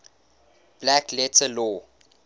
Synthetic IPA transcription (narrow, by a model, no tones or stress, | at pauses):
b̥læklɛtʰəlɔ